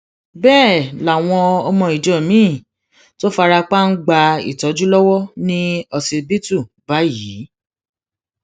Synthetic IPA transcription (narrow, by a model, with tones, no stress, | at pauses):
bɛː˦˨la˨w̃ɔ̃˧ɔ˧mɔ̃˧˨i˨d͡ʒɔ˨mĩː˦˨ | to˦fa˧ɾa˧k͡pa˦n̩˦ɡ͡ba˧ḭ˨tɔ˨˦d͡ʒu˦lɔ˦wɔ˦nĩ˦ɔ˧se˧be˦tu˦˨ba˨˦ji˨˦